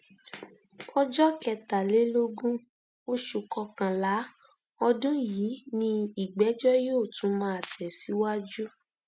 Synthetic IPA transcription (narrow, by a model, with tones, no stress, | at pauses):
ɔ˦d͡ʒɔ˦kɛ˧ta˨le˨˦lo˦ɡũ˦ | o˦ʃu˨kɔ˧kã˨la˨˦ | ɔ˧dũ˦jiː˨˦nĩ˧i˨ɡ͡bɛ˨˦d͡ʒɔ˦joː˦˨tũ˨˦mãː˦a˨tʰɛ˨si˨˦wa˦d͡ʒu˦